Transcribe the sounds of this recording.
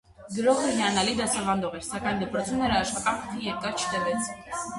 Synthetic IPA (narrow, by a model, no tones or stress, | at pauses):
ɡəɾɔχəjɛɑnɑlid̪ɑsɑvɑnd̪ɔʁɛɾsɑkɑjnd̪əpɾɔt͡sʰumnɛɾɑːʃχɑt̪ɑnpʰɔʁijɛɾkɑɾt͡ʃʰə̥t̪ɛvɛt͡s̪ʰ